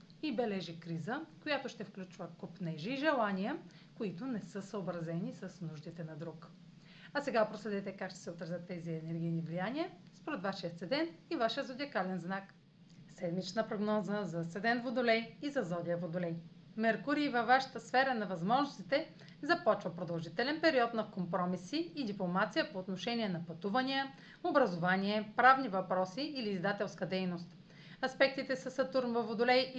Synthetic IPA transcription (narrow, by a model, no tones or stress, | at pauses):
ibɛlɛʒikɾizəkojat̪ʊʃt̪ɛfklʲut͡ʃvəkopnɛʒiːʒɛlˠanijə | koit̪ʊnɛsɤsəobɾɐzɛnisɐsnuʒd̪it̪ɛnɐd̪ɾuk | ɐsɛɡapɾoslɛd̪ɛt̪ɛkakʃt̪ɛ̥sɛot̪ɾɐzət̪ːɛziɛnɛɾɡʲijnivlijaniɐspoɾɛt̪vaʃiət̪sɛd̪ɛnt̪ivaʃiəzod̪iɐkalɛnznak | sɛd̪mit͡ʃnəpɾoɡnɔzəzɐt̪sɛd̪ɛnt̪vod̪ʊlɛjizɐzɔd̪ʲiəvod̪ʊlɛj | mɛɾkuɾiːvɐvːaʃɐ̥t̪əsfɛɾənɐvɐzmɔʒnost̪it̪ɛ | zɐpɔt͡ʃvɐpɾod̪ɐlˠʒit̪ɛlɛnpɛɾiɔt̪nɐkompɾɔmisiːd̪iplˠomat̪sijəpoːt̪noʃɛnʲiɛnɐpɐt̪uvɐniə | obɾɐzovanʲiɛpɾavnivɐpɾɔsiːliːzd̪at̪ɛlˠskəd̪ɛjnost̪ | ɐspɛk̚t̪it̪ɛsɐsɐt̪uɾmvəvod̪ʊlɛj